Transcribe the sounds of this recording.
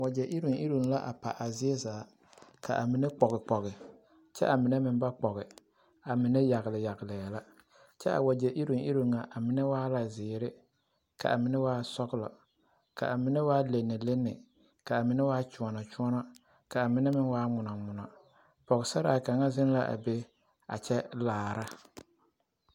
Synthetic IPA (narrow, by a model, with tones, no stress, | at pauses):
wa˨d͡ʒɛ˨ʔɪ˦ɾu˨ŋʔɪ˦ɾu˨n˦la˦ʔa̰˨pa˨ʔa˨zɪ˦ɛ˦zaː˨˦ | kʰa˨ʔa˨mɪ˨nɛ˦k͡pɔ˨ɣɪ˨k͡pɔ˨ɣɪ˨ | t͡ʃɛ̰˦ʔa˨mɪ˨nɛ˦mɪ˨nba˦k͡pɔ˨ɣɪ˨ | a˨mɪ˨nɛ˦ja˨ɣɪ˨lɪ˨ja˨ɡɪ˨lɪ˨jɛ˨la˦ | t͡ʃɛ˦ʔa̰˨wa˨d͡ʒɛ˨ʔi˦ɾo˨ŋʔi˦ɾo˨ŋŋa˨ʔa˨mɪ˨nɛ˦waː˦la˨zɪː˨ɾɪ˦ | ka̰˨ʔa̰˨mɪ˨nɛ˦waː˦sɔ˦ɣɪ˦lɔ̰˨ | ka̰˨ʔa˨mɪ˨nɛ˦waː˦le˨nːɛ˨le˦nːɪ̰˨ | ka˨a˨mɪ˨nɛ˦waː˦t͡ʃu˨ɔ˨nɔ˨t͡ʃʊ˦ɔ˦nɔ˦ | ka˨a˨mɪ˨nɛ˦mɪ˦nwaː˦ŋʊ˨nɔ˨ŋʊ˨nɔ˨ | pɔ˨ɣɪ˨sa˦ɾa˦˨a˨ka˨ŋa˦zɪ˦n˦la˦ʔa̰˨be˦ | a̰˨t͡ʃɛ˦laː˨ɾa˦